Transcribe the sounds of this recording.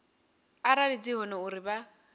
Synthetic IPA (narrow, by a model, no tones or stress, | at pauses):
aɾaɺid͡ziɦɔnɔuɾiba